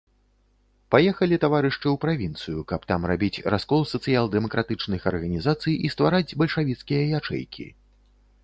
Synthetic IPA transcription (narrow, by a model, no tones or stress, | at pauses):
pajɛxɐlʲit̪avaɾɨʂt͡ʂɨwpɾavʲint̪sɨjukɐpt̪amrabʲit͡sʲraskɔlˠsɐt̪sɨjalˠd̪ɛmɐkɾʔat̪ɨt͡ʂnɨxɐrɣɐnʲizat̪sɨjist̪vaɾad͡zʲbɐlʲʂavʲit̪skʲijɐjat͡ʂɛ̰jkʲʰḭ